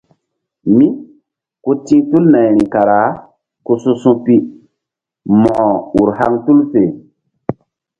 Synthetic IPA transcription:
mĩ˦ | ko˦tĩ˦tu˦lna˨jɾĩ˨ka˨ɾa˨˦ | ko˦su˦sũ˦pi˦ | mɔ̃˨u˨ɾha˦ŋtu˦lfe˨

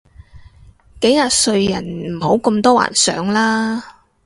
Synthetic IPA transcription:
ke˨˥jːaː˨˩t̚sɵ˧ɥjɐ˨˩nm̩˨˩ho˨˥wkɐ˧mt̪ɔː˥wa̰ː˨˩nsœ̰ː˨˥ŋlaː˥

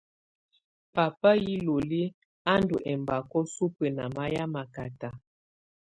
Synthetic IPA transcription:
pa˨pa˦ji˦lo˨li˦ | a˦ndu˨ʔɛ˨mba˨kɔ˦su˦pə˨na˨ma˦ja˦ma˨ka˨ta˨

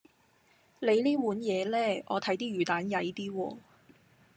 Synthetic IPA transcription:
le˨˧jliː˥wuː˨˥njɛː˨˧lɛː˥ʔɔː˨˧t̪ʰɐ˨˥jt̪iː˥jyː˨˩t̪aː˨˥njɐ˨˧jt̪iː˥wɔ̰ː˧

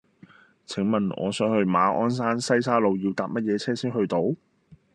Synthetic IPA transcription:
t͡sʰɪ˨˩ŋmɐ˨nʔɔ̰ː˨˧sœː˨˥ŋhɵ˧ɥmaː˨˧ʔɔː˥ns̬aː˥nsɐ˥jsaː˥lo˨˧wji˧wt̪aː˨p̚mɐ˥t̚jɛː˨˧t͡sʰɛː˥siː˥nhɵ˧ɥt̪o˨˥w

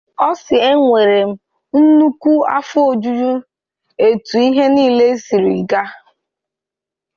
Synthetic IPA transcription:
ɔ˦sɪ˨e˦ŋʷe˨ɾe˨m̩˦ | n̩˦nu˦kʷu˦a̰˦fʊ˦o˦˨d͡ʒu˦d͡ʒu˦ | e˨tu˨i˦ɦe˦niː˦˨le˦si˨ɾi˨i˨ɡa˦

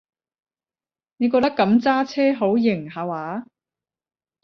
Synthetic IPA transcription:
ne˨˧kɔː˧k̚t̪ɐ˥kːɐ˨˧˥mt͡saː˥t͡sʰɛː˥ɦo˨˥wjɪ˨˩ŋhaː˨˧waː˨˥

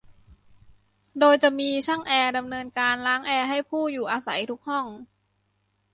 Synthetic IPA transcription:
doː˧jt͡ɕa˨˩miː˧t͡ɕʰa˥˩ŋʔɛː˧da˧mnɤː˧nkaː˧nlaː˦˥ŋʔɛː˧ɦa˥˩jpʰuː˥˩juː˨˩ʔaː˧sa˩˦jt̪ʰu˦˥k̚hɔ˥˩ŋ

